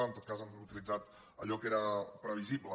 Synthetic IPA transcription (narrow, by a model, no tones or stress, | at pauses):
ənt̪ot̪kazamut̪ilid͡zat̪ | ə̰ʎɔkeɾəpɾəβ̞iziblə